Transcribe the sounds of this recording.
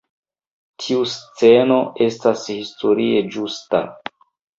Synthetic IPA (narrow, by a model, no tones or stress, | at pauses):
tʰiust͡se̞no̞ʔe̞stashistʰo̞ɾie̞d͡ʒusta̰